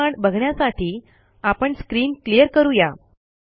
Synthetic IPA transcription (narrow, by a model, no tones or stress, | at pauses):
aɳbəɡʱɳjasaʈʰiː | apəɳskɾiːnklijəɾkəɾuja